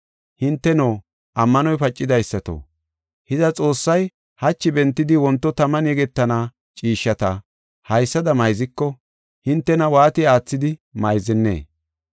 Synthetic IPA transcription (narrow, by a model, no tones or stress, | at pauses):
hɪnt̪ːɛnoː | ʔɐmːɐnɔjpɐt͡ʃʼːɪd̪ɐjsːɐt̪o̰ | hɪzɐt͡sʼo̞ːsːɐj | hɐt͡ʃːɪbɛnt̪ːɪd̪ɪwɔnt̪ːɔt̪ɐmɐnjɛɡɛt̪ːɐnaː | t͡ʃʼiːʃːɐt̪ɐ | hɐjsːɐd̪ɐmɐjzɪkːɔ | hɪnt̪ːɛnɐwaːt̪ɪaːt͡sːɪd̪ɪmɐjzɛnːḛː